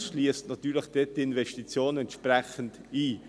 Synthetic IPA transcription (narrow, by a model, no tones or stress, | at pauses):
ʃliəstnɑt̪yːlɪxd̥et̚d̥iɪnvɛstit͡sjoːnɛnt̪ʃpʁɛçən̩diː